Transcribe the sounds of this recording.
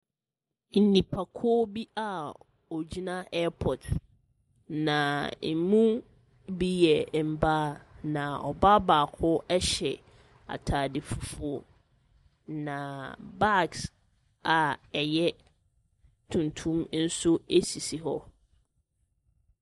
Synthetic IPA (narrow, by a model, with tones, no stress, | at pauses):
n̩˨nĩ˨pʰa˨kʰʊ˦bi˦a˨ | ɔ˨d͡ʑi˦nã˦ʔɛ˦pʰɔ˨d | nã˨m̩˨mũ˦ | bi˦jɛ˨m̩˨baː˦nã˨ɔ̰˨ba˦baː˨kʰʊ˦ɛ˦ɕɛ̰˨ | a̰˨tʰaː˨dɪ˨fu˨fu˨o˨ | nã˨ba˦˨ks | a˨ɛ˨jɛ˦ | tʰũ˨ntʰũ˦mn̩˦sʊ˦e˦si˨si˨ɦɔ˦